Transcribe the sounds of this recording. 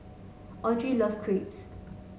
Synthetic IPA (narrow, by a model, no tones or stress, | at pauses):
ɔtʰɹilɔfkʰɹips